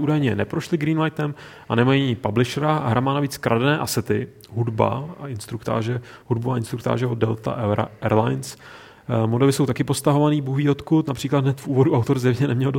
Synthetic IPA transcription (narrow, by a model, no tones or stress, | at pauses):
uːdajɲɛnɛpɾoʃlɪɡɾiːnlajt̪ɛmʔanɛmajiːɲɪpablɪʃɛɾaɦɾʔamaːnaviːt͡skɾʔadnɛːʔasɛt̪ɪ | ɦudba̰aɪnst̪ɾukt̪a̰ːʒɛhudbuaʔɪnst̪ɾukt̪a̰ːʒɛodɛlt̪a̰ɛɾlajns | modɛvɪso̞wt̪akɪpo̞st̪aɦo̞vaniːbuviːo̞t̪kut̪napr̥iːklad̪nɛt̪fʔuːvo̞duʔawt̪o̞ɾzɛmɲɛnɛmɲɛldo